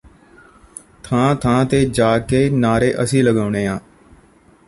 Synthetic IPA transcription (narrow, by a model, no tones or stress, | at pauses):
t̪ʰãːt̪ʰãːt̪eːd͡ʒaːkeːnaːɾeːʔəsĩːləɡaːʊɳeːãː